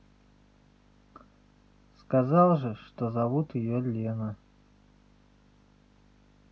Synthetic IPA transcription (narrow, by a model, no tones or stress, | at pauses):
skazɑlˠʐɨʂt̪ozɐvut̪jɪjolʲenə